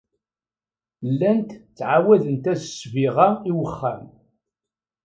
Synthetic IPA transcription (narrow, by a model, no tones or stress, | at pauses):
lːænt̪t͡sːʕawæðənt̪æsəsviʁaiwəχːæm